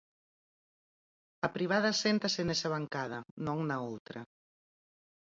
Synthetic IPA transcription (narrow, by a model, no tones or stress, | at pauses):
ɐpɾiβ̞að̞ɐsent̪ɐsɪnesɐβaŋkað̞ɐnõŋnɐowt̪ɾɐ